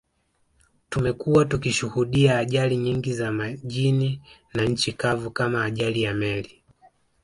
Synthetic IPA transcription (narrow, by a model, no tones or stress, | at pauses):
tumɛkuwatukiʃuhuɗiaːʄaliɲiŋɡizamaʄininaɲ̩t͡ʃikavukamaːʄalijamɛli